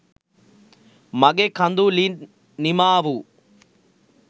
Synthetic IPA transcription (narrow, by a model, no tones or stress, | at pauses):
mɐɡekʰɐnd̪ulin | nimaːʋu